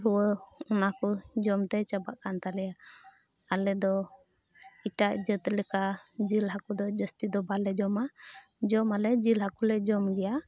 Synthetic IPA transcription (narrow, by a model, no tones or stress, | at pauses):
ɾuwəɔnakud͡ʒɔmt̪ɛt͡ʃəbaʔkant̪alɛja | alɛd̪ɔ | iʈaʔd͡ʒət̪lɛkad͡ʒilɦakud̪ɔd͡ʒəst̪id̪ɔbalɛd͡ʒɔma | d͡ʒɔmalɛd͡ʒilɦakulɛd͡ʒɔmɡɛja